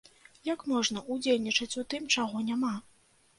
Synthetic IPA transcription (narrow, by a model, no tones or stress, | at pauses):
jakmɔʐn̪ɐʔud͡zʲelʲnʲit͡ʂɐt͡sʲut̪ɨmt͡ʂaɣɔnʲama